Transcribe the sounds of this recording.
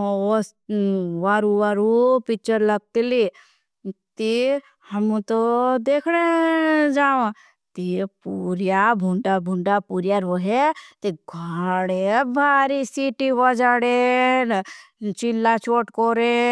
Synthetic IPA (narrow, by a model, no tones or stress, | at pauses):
s | ʋaɾuʋaːɾupɪt͡ʃəɾləɡ̚t̪ili | t̪i | hɐmũt̪od̪eːkʰɽed͡ʒaːʋã | t̪ipuɾjabʱuɳɖabʱʊɳɖapuːɾjaɾoːɦet̪iɡʱaɽebʱaːɾisiːʈiʋəd͡ʒaːɽen | t͡ʃilːat͡ʃoːʈkoɾe